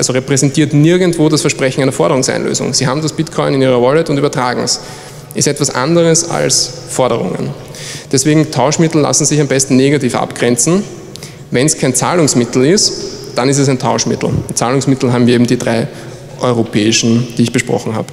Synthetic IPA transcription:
alzoʁɛpʁ̥ɛzɛntiːɐtnɪɐɡn̩tv̥oːdasfɛɐʃpʁ̥ɛçn̩æɪnɐfɔɐɾəʁʊŋsæ̰ɪnlø̰ːzʊ̰ŋz̥iːɦaːbm̩dasb̥ɪtkʰɔʏnɪniːʁ̞ɐvɔlɛtʊntyːbɐtʁ̥aːɡŋ̩s | ʔɪstɛtv̥asʔa̰ndəʁəsa̰ls | fɔɐɾəʁʊ̰ŋə̰n | d̥ɛsv̥eːɡŋ̩tʰaʊʃmɪtl̩la̰sn̩zɪçambɛstn̩neɡatiːfʔa̰pɡ̥ʁɛnt͡sn̩ | vɛnskʰaɪnt͡sa̰ːlʊŋsmɪtl̩ɪstd̥anɪs̬tɛs̬æɪntʰaʊʃmɪ̰tl̩ʊnt͡saːlʊŋsmɪtl̩ɦaːbmviɐeːbm̩diːdʁaɪ | ʔɔʏʁopʰɛːɪʃn̩d̥iːɪçb̥əʃpʁɔ̰χŋ̩ha̰ːbə

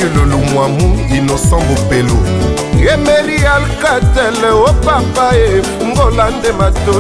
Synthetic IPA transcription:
elolomwamũinɔsɔ̃ŋbopelo | jemelijalkatɛlwopapaje | ŋ̩ɡolandemato

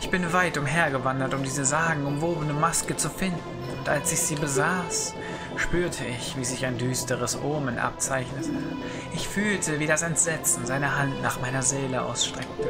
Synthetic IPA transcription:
ʔɪçb̥ɪnvaɪtʊmɦeːɐɡəvandɐtʊmdiːzəzaːɡŋ̩ʊmvoːbənəmaskət͡sufɪndn̩ʊntʔalsɪçz̥iːbəzaːs | ʃpyːɐtʰəɪçv̥iːzɪçaɪndyːstəʁəsʔoɐmənʔa̰p̚t͡saɪçnətʰə | ʔɪçfyːltʰəviːdasɛntz̥ɛt͡sn̩zaɪnəɦantnaːχmaɪnɐzeːləʔa̰ʊsʃtʁ̥ɛk̚tə

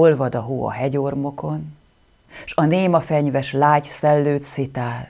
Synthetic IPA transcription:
olvɒd̪ɒɦuːɒ̰ɦɛɟo̞rmo̞ko̞n | ʃɒneːmɒfɛɲvɛʃlaːɟsɛlːøːt̪sit̪aːl

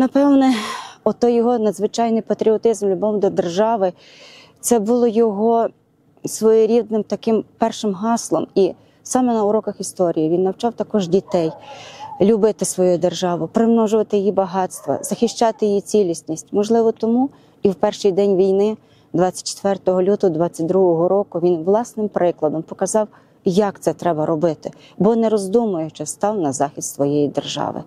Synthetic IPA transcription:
nɐpɛwnɛɔt̪ɔjːɔɦɔnɐd̪zʋɪt͡ʃɑjnɪjpɐt̪ɾʲiɔt̪ɪzmlʲʊbɔmd̪ɔd̪erʒɑʋɪ | t̪sɛbʊlˠɔjɔɦɔ | sʋɔjɪɾʲid̪̚nɪmt̪ɐkɪmpɛrʃɪmɦɑslˠɔ̰mi | sɑmɛnɐʊɾɔkɐxist̪ɔɾʲijiʋinːɐwt͡ʃɑwt̪ɐkɔʒdʲit̪ɛjlʲʊbɪt̪ɪsʋɔjud̪erʒɑʋʊpɾɪmnɔʒʊʋɐt̪ɪjɪjibɐɦɑt̪st̪ʋɐ̰zɐxʲɪʃt͡ʃɑt̪ɪjɪjit͡sʲilʲisʲnʲisʲtʲmɔʒlˠɪʋɔt̪ɔmu | iwpɛrʃɪjd̪ɛnʲʋʲijnɪ | d̪ʋɑt͡sʲɐ̥t̚ʲt͡ʃe̥t̪ʋɛrt̪ɔɦɔlʲut̪ɔɔd̪ʋɑt͡sʲːɐt̚ʲd̪ɾuɦɔɦɔɾɔkʊʋʲinʋlˠɑsnɪmpɾɪklˠɐd̪ɔmpɔkɐzɑw | jɐkt̪sɛt̪ɾɛbɐɾɔbɪt̪ɪ | bɔnɛɾɔzd̪umʊjʊt͡ʃɛst̪ɑwnɐzɑxʲist̪sʋɔjejid̪erʒɑ̰ʋɪ̰

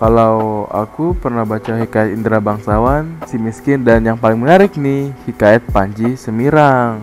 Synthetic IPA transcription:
kalawa̰kupərnahbat͡ʃaɦikaɛt̪indɾabaŋsawansimiskɪndanjaŋpalɪŋmənaɾɪk̚nɪhikaɛt̪̚paɲd͡ʒisəmiɾaŋ

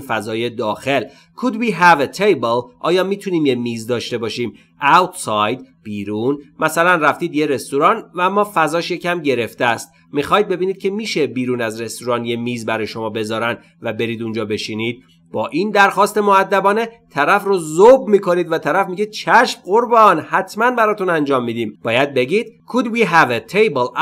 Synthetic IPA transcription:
fæzɒːje̞d̪ɒːxe̞l | kʰud̪̚biːɦævet̪ʰejbelʔɒːjɒːmiːt̪ʰuniːmjemiːzd̪ɒːʃt̪e̞bɒːʃiːm | ʔæwt̪sɒjd̪b̥iːɾuːnmæsælænræft̪iːd̪jeɾe̞st̪uɾɒːnvææmːɒːfæzɒːʃje̞cæmɟe̞ɾe̞ft̪eæst̪ | mixɒːjid̪̚be̞biːniːd̪̚cʰʲe̞miːʃebiːɾuːnæzɾe̞st̪uɾɒːnjemiːzbæɾɒːjeʃo̞mɒːbe̞zɒːɾæn | væbe̞ɾiːd̪und͡ʒɒːbe̞ʃiːniːd̪̥̚ | b̥ɒːʔind̪æɾxɒːst̪e̞moæd̪ːæbɒːne̞t̪ʰæɾæfrozobmiːkʰo̞niːd̪væt̪ʰæɾæfmiɡid̪̥̚t͡ʃʰæʃmɢoɾbɒnhæt̪ʰmænbæɾɒːt̪unænd͡ʒɒːmːiːd̪iːmb̥ɒːjæd̪̚be̞ɡiːd̪̥kʰud̪wiːɦævet̪ʰejbl

